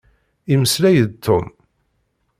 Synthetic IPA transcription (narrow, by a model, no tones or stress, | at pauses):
iməslæjəd̪t̪ʰːʊ̰m